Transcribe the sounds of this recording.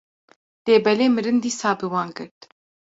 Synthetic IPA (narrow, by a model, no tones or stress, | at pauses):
l̥eːbɛleːmɨɾɨnd̪iːsɑːbɨwɑːnɡɨɾt̪